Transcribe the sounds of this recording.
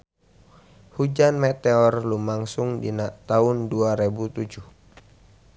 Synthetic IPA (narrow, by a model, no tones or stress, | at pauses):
hud͡ʒanmet̪eɔrlumaŋsʊŋdinaʔt̪aʊnduaɾebut̪ud͡ʒuh